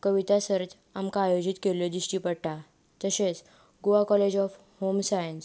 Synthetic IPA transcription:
kəʋit̪asəɾt͡s | amkaːjod͡ʑit̪kelɔd̪iɕʈiːpəɽʈa | t̪əɕet͡s | ɡoakɔled͡ʑɔf | homsajəns

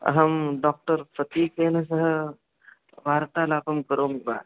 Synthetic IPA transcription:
ɐ̰ɦɐmɖɔːk̚ʈəɾfɐt̪iːkeːnɐs̬ɐɦə | bʱaːɾt̪aːlaːpɐmkɐɾoːmiba̰ːd̪

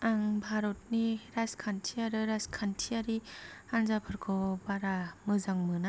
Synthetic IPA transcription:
aŋbʱaɾɔt̚niɾazkʰantʰiaɾɯɾazkʰantʰiaɾianzapʰɯɾkʰɔbaɾamɯzaŋmɯna

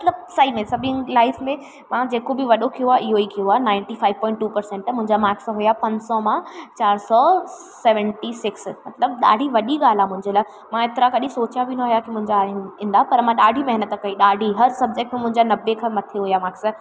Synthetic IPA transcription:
mɐt̪ləb̚sɐimẽsɐbʱɪ̃laːɪfmẽ | mãd͡ʑeːkobɪʋɐɗokʰijoaʔɪɦoikʰijoaːnãːɪ̃ɳʈifaːɪʋpɔ̃ːɪ̃ɳʈːuːpɐɾsẽɳʈmʊ̃ɦɪ̃ɲd͡ʑamaːksɦʊjapɐ̃ɲd͡ʑsɔmãt͡ɕaːɾsɔ | seːʋə̃ɳʈisɪksmɐt̪ləb̚ɗa̰ːɖʱiʋɐɗiɠaːl̤aːmʊ̃ɦɪ̃ɲd͡ʑolaɪ | mãet̪ɾakɐɗĩsoːt͡ɕijabɪnɐ̃ɦuijakimʊ̃ɦɪ̃ɲd͡ʑãĩːnd̪aɦpɐɾmãɗaːɖʱimɐɦɪnət̪kɐiɗaːɖʱiɦɐɾsɐb̚d͡ʑek̚ʈmẽmʊ̃ɦɪ̃ɲd͡ʑanɐbekʰãːmɐt̪ʰeɦujamaːks

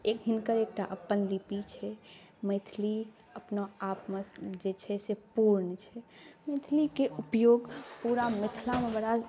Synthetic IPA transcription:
ekɦinkəɾeːk̚ʈaʔəpːənlipit͡ʃʰɛ | mət̪ʰli | əpnaapmed͡ʒet͡ʃʰɛsepuɾnt͡ʃʰɛməɪt̪ʰlikeupjoːɡpuɾamɪt̪ʰlamebəɽa

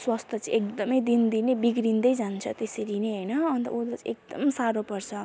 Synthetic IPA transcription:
swast̪ʰʌt͡siek̚d̪ʌmʌjd̪ind̪inebiɡɾind̪ʌjd͡zant͡sʰʌt̪eseɾineɦʌjnʌːnt̪ʌ̰ud̪ʌt͡siek̚d̪ʌ̰msaɾopʌrt͡sʰʌ

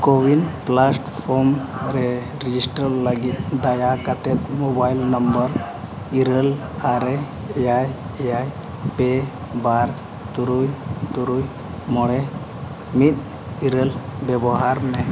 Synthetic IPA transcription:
kowinplasʈpʰɔɾmɾɛ | ɾid͡ʒisʈɾəlːəɡit̪̚d̪ajakat̪ɛt̪̚mobajlnəmbəɾ | iɾəl | aɾɛ | ɛjaj | ɛjaj | pɛ | baɾ | t̪uɾujt̪uɾuj | mɔɽɛ | mit̪̚ | iɾəlbɛbɔɦaɾmɛ

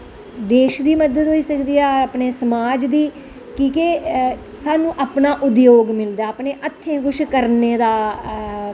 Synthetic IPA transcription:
d̪eːʃd̪iːməd̪əd̪ɦoːiːsəkd̪iːaːpneːsəmaːd͡ʒd̪iː | kĩːke | saːnũːʔaːpnaːʔʊd̪joːɡmɪld̪aːəpneːʔət̪ʰːẽːɡʊʃkəɾneːd̪aː

